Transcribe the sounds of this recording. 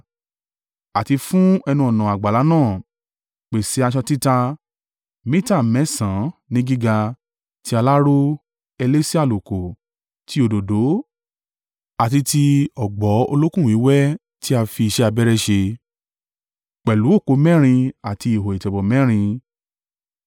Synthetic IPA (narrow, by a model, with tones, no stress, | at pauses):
a˨ti˧fũ˦ɛ˧nũ˧˦ɔ˨nã˨a˨ɡ͡ba˨la˨˦nãː˦˨ | k͡pe˨si˨˦a˧ʃ̬ɔ˧ti˦ta˧ | mĩ˦ta˦˨mɛ̃˨˦sã˨˦nĩ˦ɡi˦ɡa˧ | ti˦a˧la˦ɾo˦ | ɛ˧le˦si˦a˦˨lo˨ko˨ | ti˨˦o˧do˨do˨˦ | a˨ti˧ti˧ɔ˨ɡ͡bɔ˨˦o̰˧lo˦kũ˦˨ĩ˨˦wɛ˦ | ti˦a˧fi˧i˧ʃɛ˦a˧bɛ˦ɾɛ˦ʃe˧ | k͡pɛ˨lu˨˦o˦˨ko˨˧˦mɛ̃˦ɾ̃ĩ˧a˨ti˧i˨ɦo˨i˨tɛ˨bɔ˨mɛ̃˦ɾ̃ĩ˧